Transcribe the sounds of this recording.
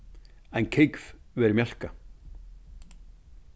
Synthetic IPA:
ɛncʰejkv̥vɛɾɪmjal̥ka

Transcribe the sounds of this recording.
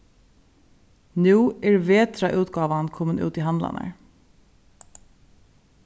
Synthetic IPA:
nuːɛɹveːt̪ɾaʔʉːt̪ɡɑːʋankʰɔːmənʔʉ̰ːt̪iɦand̪la̰na̰ɹ

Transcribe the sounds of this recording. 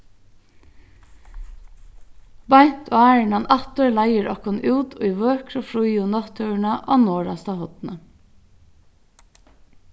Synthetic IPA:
bɑɪt̪ʰoːæːəɳɑnʔæt̪əlæɪəɾʔɑkɔnʔuːd̪o̰ːiːʋøːkʰɾofɾuʏʊnɑt̪ʰœːɳɑʔɑ̰ːnoːɹɑst̪ɑhɔd̪nə

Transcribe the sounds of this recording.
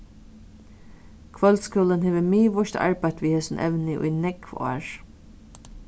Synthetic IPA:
kʰvœlskuːlənɦeːʋəmiːvɔʃt̪ʰa̰ɹpajt̪ʋiːheːsʊnʔɛ̰ʋnɪʔṵjnɛkvɔ̰ːɹ

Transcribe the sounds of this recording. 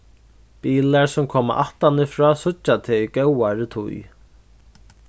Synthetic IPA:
piːlaɹsʊmkʰɔːma̰ʔa̰ht̪anɪfɾɔːsʊt͡ʃːat̪ʰɛikɛwaɾɪt̪ʰʊ̰j

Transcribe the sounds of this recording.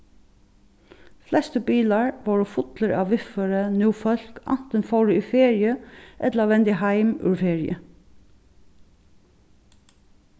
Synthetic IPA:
flɛst̪əbiːlaɹʋoːɹʊfʊt̪ləɹɑ̰ːʋʋɪfəɹənjuːfœl̥kɑ̰n̥t̪ənfɔwɹəifeːɹɪəʔɛt̪laʋɛnt̪ɪɦaɪmʉ̰ɹfeːɹɪə̰

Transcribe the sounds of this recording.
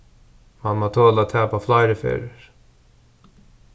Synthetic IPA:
manmat̪ʰoːlat̪ʰɛːpaflɑɪɾəfḛːɾəɹ

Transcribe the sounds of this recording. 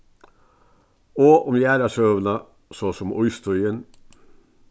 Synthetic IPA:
oːʔʊmjæːɾɑʂøːʋnɑ | soːsɔmʊʏst̪ʰɔʏən

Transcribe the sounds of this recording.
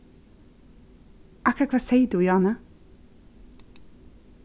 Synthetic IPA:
ʔɑkɾəkʰʋɑːseɪd̪uːjɑːnə

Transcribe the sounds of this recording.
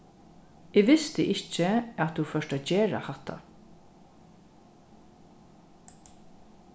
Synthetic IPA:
ɪːɡʋɪst̪ɪʔɪt͡ʃːəat̪ufœʂʈat͡ʃeːɹa̰hat̪ʰːa̰

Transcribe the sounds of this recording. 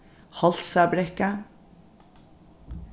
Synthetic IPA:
hɑlt̪sæbɾɛkə

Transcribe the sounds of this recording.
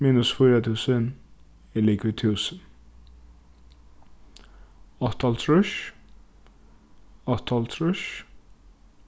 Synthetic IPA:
miːnʊsfʊːɾat̪ʰʉːsən | ɛlikʰvɪt̪ʰʉːsən | ɑt̪ʰːɑlt̪ʰɹʊʃ | ɑt̪ʰːɑlt̪ʰɾʊʃ

